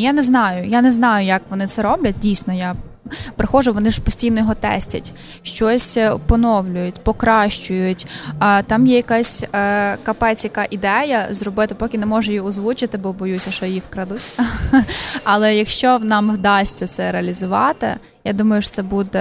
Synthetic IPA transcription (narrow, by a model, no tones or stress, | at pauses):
janɛznɑjʊjanɛznɑjʊjɐkʋɔnɪt̪sɛɾɔblʲɐt̚ʲdʲijsʲnɔja | pɾɪxɔʒʊʋɔnɪʒpɔsʲtʲijnɔjɔɦɔt̪ɛ̰sʲtʲɐ̰tʲ | ʃt͡ʃɔsʲpɔnɔwlʲʊjʊtʲpɔkɾɑʃt͡ʃʊjʊtʲːt̪ɑmjɛjɐkasʲkɐpɛt͡sʲjɐkɑʔid̪ɛjɐzɾɔbɪt̪ɪpɔkʲɪnɛmɔʒʊjiɔzʋut͡ʃɪt̪ɪbɔbɔjusʲɐʃɔjjifkɾɐd̪utʲ | ɐlˠɛjɐkʃt͡ʃɔnɑmʋd̪ɑsʲt͡sʲːɐt̪sɛɾeɐlʲizʊʋɑ̰t̪ɪ̰ | jad̪umɐjʊʃt̪sɛbud̪ɛ